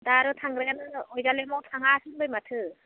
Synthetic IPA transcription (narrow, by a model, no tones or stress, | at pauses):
daɾɯtʰaŋɡɾajanɯɔjzalemawtʰaŋasɯnbɯjmatʰɯ